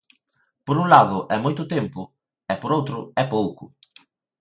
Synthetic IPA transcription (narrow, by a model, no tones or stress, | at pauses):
poɾuŋlaðʊʔɛmojt̪ʊt̪empʊ | ɛpoɾowt̪ɾʊɛpowkʊ